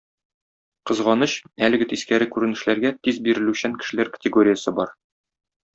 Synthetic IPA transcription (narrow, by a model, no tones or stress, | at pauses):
qɤ̆zʁɑnɤɕælɘ̆ɡɘt̪iskæɾɘkʉɾɘ̆nɘ̆ʃlæɾɡæt̪izbiɾɘ̆lʉɕæŋkɘ̥̆ʃɘ̆læɾkə̥tʲɪɡo̞ɾʲɪjəsɤbɒɾ